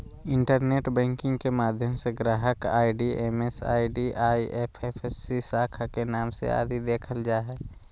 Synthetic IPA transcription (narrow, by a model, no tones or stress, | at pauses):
ɪ̃ɳʈəɾneːʈbɛ̃ːŋkɪ̃ŋɡkemaːd̪ʱjəmseɡɾaːɦəka̰ːiɖiemesa̰ːiɖiʔaːiʔepʰefʰesːisaːkʰakenaːmsḛa̰ːd̪ʱid̪eːkʰəld͡ʒaːɦɛː